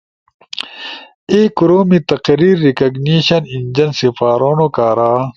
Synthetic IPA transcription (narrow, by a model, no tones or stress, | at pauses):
eːkuɾoːmit̪ɐqɾiːɾːikɐɡniːɕɐnind͡ʑɐnsifaːɾoːnokaːɾaː